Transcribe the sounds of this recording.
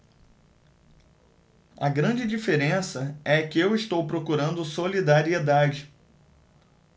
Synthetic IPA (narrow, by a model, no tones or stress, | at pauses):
ɐ̰ɡɾɐ̃d͡ʒɪd͡ʒifeɾẽsɐɛkɪewɪst̪owpɾokuɾɐ̃nd̪ʊsolid̪aɾied̪ad͡ʒɪ